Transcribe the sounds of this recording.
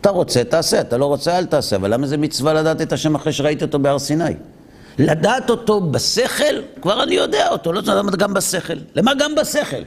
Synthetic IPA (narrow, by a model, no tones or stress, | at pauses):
at̪aʁo̞t͡se̞t̪aːse̞at̪alo̞ʁo̞t͡sealt̪aːseavalːamazemit͡svalad̪aːt̪e̞t̪haʃe̞maχʁeʃeʁait̪io̞t̪o̞beaʁsinaj | lad̪aːt̪o̞to̞base̞χe̞lkvaʁanijo̞d̪eaot̪olod̪amatɡambase̞χe̞lːemaɡambase̞χe̞̰l